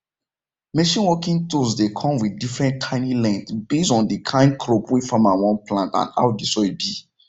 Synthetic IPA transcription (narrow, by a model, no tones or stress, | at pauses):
meʃĩnwɔkĩŋtusdekʰɔ̃mwidifɹɛ̃ntkʰãɪ̃nilɛ̃ntbesɔ̃ndikʰãɪ̃nd̚kʰɾopwifamãwɔ̃nplãntã̰na̰ʊdisɔibi